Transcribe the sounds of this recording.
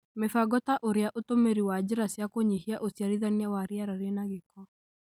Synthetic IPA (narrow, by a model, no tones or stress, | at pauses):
mefaɡɔtaʔoɾeaʔotomeɾiwad͡ʑeɾasjakoɲihiaʔosjaɾiðaniawaɾeaɾaɾenaɣekɔ